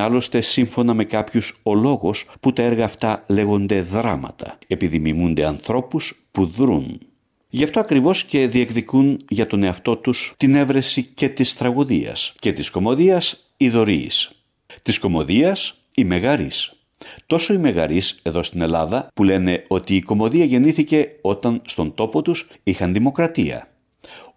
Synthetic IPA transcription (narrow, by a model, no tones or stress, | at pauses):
ɐlo̞st̪e̞siɱfo̞nɐme̞kɐpçuso̞lo̞ɣosput̪ɐeɾɣɐːft̪ɐle̞ɣo̞nd̪e̞ðɾɐmɐ̰t̪ɐ̰e̞piðimimund̪e̞ɐnθɾo̞puspuðɾun | ʝɐft̪o̞ɐkɾivo̞sce̞ðie̞kðikunʝɐt̪o̞ne̞ɐft̪o̞t̪ust̪ine̞vɾe̞sice̞t̪ist̪ɾɐɣuðiɐ̰sce̞t̪isko̞mo̞ðiɐs | iðo̞ɾḭːs | t̪isko̞mo̞ðiɐs | imeɣɐɾis | t̪o̞so̞imeɣɐ̰ɾise̞ðo̞st̪ine̞lɐðɐpule̞ne̞o̞t̪iːko̞mo̞ðiɐʝe̞niθice̞o̞t̪ɐnst̪o̞nd̪o̞po̞t̪us | ixɐnðimo̞kɾɐt̪iɐ̰